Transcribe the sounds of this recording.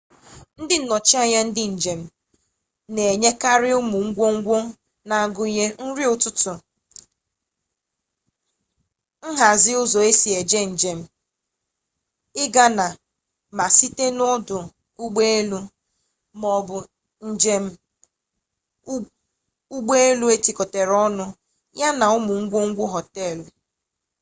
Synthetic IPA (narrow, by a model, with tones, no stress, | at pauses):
n̩˦dɪ˦n̩˨nɔ˨t͡ʃi˦a˦ɲa˦n̩˦dɪ˦n̩˨d͡ʒe˨m̩˦ | ne˨e˨ɲe˦ka˦ɾɪ˦ʊ˦mʊ˨ŋ̩˦ɡʷo˦ŋ̩˦ɡʷo˦ | na˨a˨ɡʊ˦ɲe˦n̩˦ɾi˦ʊ˦tʊ˦tʊ˨ | ŋ̩˦ɦa˨zɪ˦ʊ˦zɔ˨e˦si˨e˨d͡ʒe˦n̩˨d͡ʒe˨m̩˦ | ɪ˦ɡa˦na˨ | ma˨si˦te˦nʊ˦dʊ˨ | ʊ˦ɡ͡be˦e˦lu˦ | mɔ˨bʊ˨ | n̩˦d͡ʒe˦m̩˦ | u˦ɡ͡be˦e˦lu˦e˦ti˨kɔ˨te˨ɾɔ˦nʊ˦ | ja˦na˨ʊ˦mʊ˨ŋ̩˦ɡʷʊ˦ŋ̩˦ɡʷʊ˦ɦɔ˨te˦˨l